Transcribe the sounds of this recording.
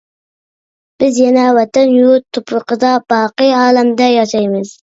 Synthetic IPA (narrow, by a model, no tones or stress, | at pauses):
b̥ɪzjɛnɛwɛt̪ɛnjut̪ʰːʊpɾəqəd̪ɑb̥ɑːqɨjɑːlɛmd̪ɛjɑʃɑjmɨz̥